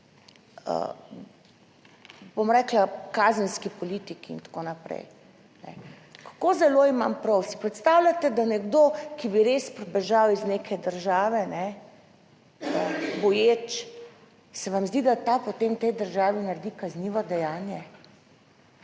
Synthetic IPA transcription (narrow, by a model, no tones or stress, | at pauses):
ə̰ | bomɾɛːklakaːzənskipɔlit̪ikiḭnt̪ḁkonapɾɛ̰j | nɛ̰ | kḁkozɛloimampɾɔwsi̥pɾɛt̪st̪awlʲat̪ɛd̪anɛɡd̪okibiɾespɾɛbɛʒawiznekʰɛd̪əɾʒaːʋɛnɛ | əbɔjeːt͡ʃ | sɛʋamzd̪id̪at̪apot̪emt̪ɛjd̪əɾʒaːʋinaɾd̪ikazniʋɔd̪ɛjaːnjɛ